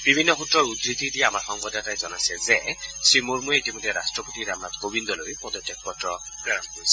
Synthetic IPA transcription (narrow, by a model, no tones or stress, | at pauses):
b̥ibʱinːɔxutɹɔɹudɹitidiɛamaɹxɔŋbɔdatajzɔnajsɛzɛsɹimuɹmujɛitimojdʱːɛɾastɹɔpotiɹamnatɡobindɔlojpɔdɔtjɔk̚pɔtɹɔ | pɹɛɹɔnkoɹisɛ